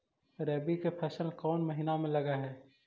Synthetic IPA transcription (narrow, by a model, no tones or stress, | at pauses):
ɾɛːbikepʰɛːʃəəlkɔːnmɐɦinamẽlɐɡaɦɛː